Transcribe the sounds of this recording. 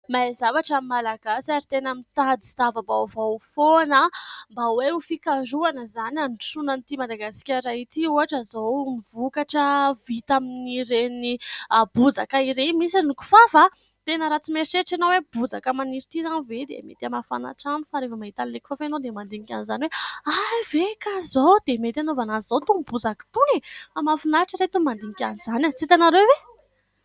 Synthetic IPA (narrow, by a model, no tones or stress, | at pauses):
maezavaʈ͡ʂamimːalaɡasaɾit̪enamit̪ad̪izavəbavafonəmbaweufikaɾuanəzanansunanit̪imad̪aɡasi̥kʲaɾait̪iuaʈ͡ʂəzonivukaʈ͡ʂəvit̪aminiɾenibud͡za̰kaiɾemisinuku̥fafa | t̪enəɾat͡simeɾit͡ʃeʈ͡ʂanowebud͡zakəmaniɾit̪izanived̪ḛmḛt̪eamafa̰na̰ʈ͡ʂanufaɾefəmaɦit̪anlekfofanod̪emand̪iŋikʲanizaniweajvekazowd̪emet̪eanovanazot̪umbud͡zaki̥t̪unefamafinaʈ͡ʂəɾet̪umand̪iɲikʲanizanat͡sit̪anaɾewve